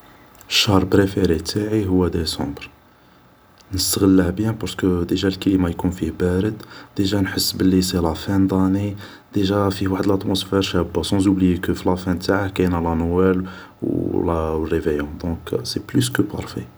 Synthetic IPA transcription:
əʃːɑɾˤbɾefeɾit̪ʰaʕiɦʊwːæd̪esɑ̃bɾ | nəst̪əɣəlːəhbjæ̃pɑɾskəd̪əʒælkælimajkunfihbæɾəd̪d̪̥əʒænħəsːbəlːiselæfænd̪ˤɑni | d̪̥əʒæfiwaħəd̪əlæt̪mosfɛɾʃæbːasɑ̃zublijekəfilæfæt̪aʕahkænælænwæl | wlərːevəjɔ̃d̪ɔ̃kseplys̬kəpɑ̰ɾˤfḛ

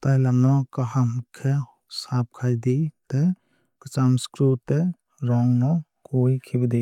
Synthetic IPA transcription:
t̪ajlamnɔkaɦamkʰe | sap̚kʰajd̪it̪e | kɯt͡ʃamskɾute | ɾɔŋnɔ | kojkʰibd̪e

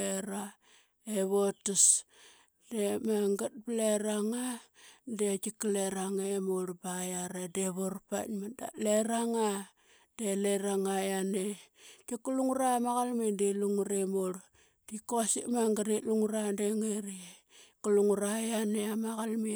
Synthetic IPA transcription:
eɾa | eβotas | demaŋɡat̚bleɾaŋandekikleɾaŋemoɾbajaɾedeβorpa̰tmada̰leɾaŋa | d̥eleɾaŋajanekikuluŋuɾamaɣalmindeluŋuɾemoɾ | d̥ikosḭʔmaŋɡaɾiluŋuɾandeŋeɾie | kuluŋuɾajaneamaɣalmi

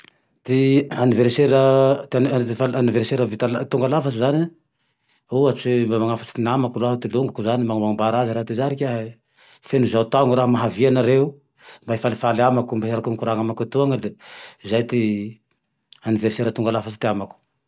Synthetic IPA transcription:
t̪ianiveɾseɾət̪falaniveɾseɾavit̪alt̪uŋɡalafat͡ʃizani | uat͡simamaŋafḁt͡sinamakuloaɦat̪iluŋɡakuzanimaŋamaŋambaɾaziɾaɦt̪izaɾikʲaɦ | fenuzawt̪aŋuɾaɦəmaɦavianaɾeu | mbaɦifalifalamakumbaɦaɾakunikuɾaŋamakut̪uaŋaleizajt̪i | aniveɾseɾət̪uŋɡalafat͡ʃi̥t̪iamaku̥

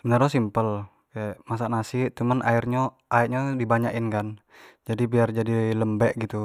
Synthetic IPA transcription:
bənərɲas̬impəl | kɛmas̬aʔnasit̪umənʔa̰irɲo | ʔaiʔɲadibaɲaʔɪnkan | d͡ʒadibiard͡ʒadiləmbɛʔɡit̪u

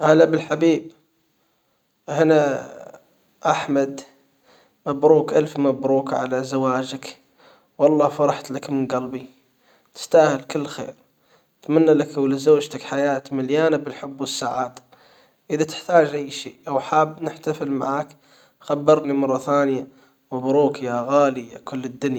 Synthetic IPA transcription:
halːabɪlħabiːb̚ | hɪna | ʔaħmad̪ | mabɾuːkʔalfmabɾuːkʕa̰lazawaːd͡ʒak | wɑlˤːɑːfɑɾˤɑħt̪lakmɪnɡalbi | t̪ɪ̥st̪aːhɪlkɪlːxḛːɾ | t̪manːalakawlɪzoːd͡ʒt̪akħajaːt̪maljaːnabɪlħʊbːwɪsːaːʕaːt̪ | ʔɪðat̪ɪ̥ħt̪aːd͡ʒʔajːʃḛːʔawħaːbnɪħt̪afɪlma̰ʕaːk | xabːɑɾˤlimɑrˤːɑθaːnɪja | mabɾuːkjaɣaːlijakʊlːɪd̪ːʊnja

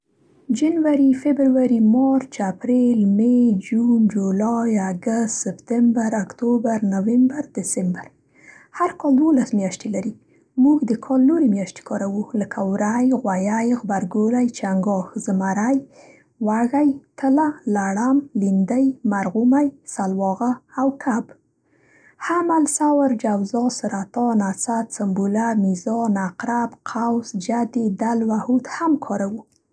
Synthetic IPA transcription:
d͡ʒanwaɾifebɾwaɾimɑɾt͡ʃapɾelmed͡ʒund͡ʒolɑjaɡast̪sɪpt̪ɪmbaɾakt̪obaɾnawɪmbaɾd̪̥ɪsɪmbaɾ | haɾkɑld̪wolasmjaʃt̪elaɾi | muɡd̪əkʰɑlnoɾemjaʃt̪e̥kʰɑɾawuləkʰawɾajɣwajajɣbaɾɡolajt͡ʃaŋɡɑxz̥əmaɾaj | waɣajt̪əlalaɽamlind̪ajmaɾɣumajsalwɑɣaːwkʰab | hamalsawaɾd͡ʒawzɑsəɾat̪ɑnasat͡sambulamizɑnaqɾabqʰawsd͡ʒad̪ed̪alwahut̪hamkʰɑɾawu

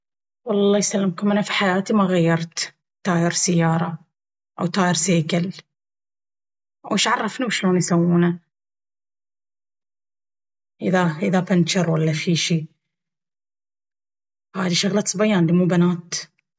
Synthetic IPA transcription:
wɑlˤːɑːjsalːɪmkʊmʔanafiħajaːt̪imaɣajːɑɾˤt̪ | t̪ːɑːjɪɾsajːɑːɾˤɑ | ʔa̰wt̪ɑːjɪɾseːkal | wʔɪʃʕɑrˤːɑfniwʃloːnjsawːuːna | ʔɪðaʔɪðapɪnt͡ʃɪɾˤwalːafiːʃiː | haːd̪iʃʊɣlat̪sˤbajːaːnliːmuːbanaːt̪

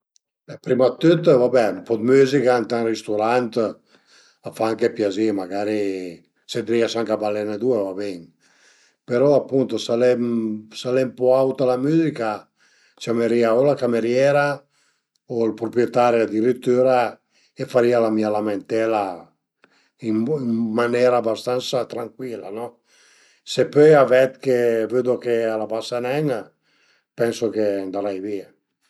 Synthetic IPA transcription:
bɛpɾimat̪ːøt̪ːvabɛumpɔd̪myzikant̪anrist̪uɾant̪ | afaaŋkepjazimaɡaɾi | sed̪ɾiasaŋkabalːɛnad̪uevabeŋ | peɾɔapːunt̪osalɛmsalɛmpɔawt̪alamyːzika | t͡ʃameɾiaolakameɾjɛɾa | oilpɾopɾjet̪aːɾjad̪iɾit̪ːyːɾa | efaɾiːalamiːalament̪ɛla | imimanɛːɾaːbast̪ant̪sat̪ɾaŋkwilːa̰nɔ | sepøjavɛt̪kevyd̪okealabasanɛŋa | pɛnsok̟eand̪aɾajviːa

